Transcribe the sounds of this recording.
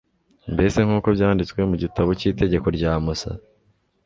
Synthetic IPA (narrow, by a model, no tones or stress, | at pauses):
mbe̞se̞ŋhuːko̞vjaːndit͡skwe̞muɟitaβociːte̞ɟe̞ko̞ɾɟaːmosa̰